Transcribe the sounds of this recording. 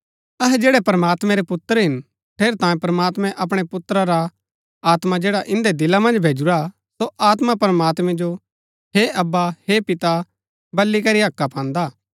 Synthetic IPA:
ɐɦɛd͡ʒeːɽɛpɾɐmaːt̪mɛ̃ɾɛpʊt̪ːəɾɦɪn | ʈʰeːɾt̪ãːjẽpɾɐmaːt̪mɛ̃ʔɐp̬ɽ̃epʊt̪ːɾaɾa | aːt̪mad͡ʒeːɽaʔɪ̃nd̪ed̪ɪlamɐ̃nd͡ʒbʱeːd͡ʒuɾa | soaːt̪mapɾəmaːt̪mɛ̃d͡ʒo | heʔɐbːahepɪt̪a | bɐlːikɐɾiɦɐkːapʰãːnd̪aː

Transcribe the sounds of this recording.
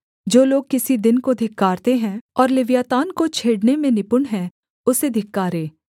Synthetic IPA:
d͡ʒoːloːɡ̚kɪsid̪ɪnkod̪ʱɪkːaːɾt̪eɦɛ̃ɔːɾlɪʋjaːt̪aːnkot͡ʃʰeːɽnemẽnɪpʊɳɦɛ̃ | ʊsed̪ʱɪkːaːɾeː

